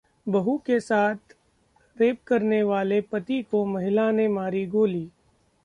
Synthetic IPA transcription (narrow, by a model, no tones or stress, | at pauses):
bɐɦukesaːt̪ʰ | ɾeːp̚kɐɾneʋaːlepɐt̪ikomɐɦɪlaːnemaːɾiɡoːliː